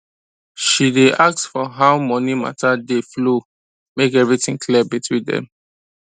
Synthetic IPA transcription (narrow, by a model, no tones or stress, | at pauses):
ʃideʔak̚tfɔɦaʊmɔnima̰tadeflo | mekɛvɹitĩŋkʰliəbitwĩdɛ̰̃m